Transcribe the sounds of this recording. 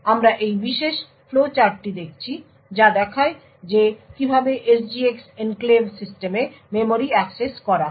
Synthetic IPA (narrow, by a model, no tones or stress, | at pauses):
amɾaʔejbiʃeʃ | flot͡ɕaɾʈid̪ek̚ʰt͡ɕʰi | d͡ʑad̪ɛkʰae | d͡ʑekibʱabeʔesd͡ʑieksenklebsisʈeme | memoɾiɛkseskɔɾa